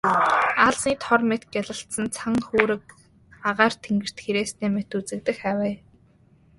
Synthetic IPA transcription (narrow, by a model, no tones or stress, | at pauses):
aɮsiːt̪ʰɔrmet̪ɡæɮə̆ɬt̪sə̆nt͡sʰaŋxuːɾɘ̆k̚ | aʁaːr̥t̪ʰeŋɡɘ̆r̥t̪xeɾeːst̪eːmet̪ut͡sɘ̆k̚t̪ɘ̆xæwæː